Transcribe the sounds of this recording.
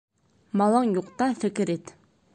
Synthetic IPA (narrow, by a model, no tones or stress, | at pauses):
mɑlˠɑŋjoqt̪ɑfɪkʲɪɾet̪